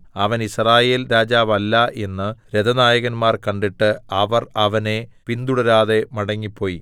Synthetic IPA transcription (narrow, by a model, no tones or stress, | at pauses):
ɐʋɐnisraːje̞ːlɾaːd͡ʑaːʋɐlːɐʔe̞nːɨɾed̪ɐnaːjɐɣɐnmaːrkɐɳɖiʈːɨɐʋɐrɐʋɐne̞pind̪uɽɐɾaːðe̞mɐɽɐŋːipʰːo̞ːji